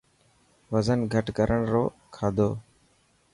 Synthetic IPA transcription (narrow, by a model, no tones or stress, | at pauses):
ʋəzənɡʱəʈkəɾʔəɳɾoː | kʰaːd̪oː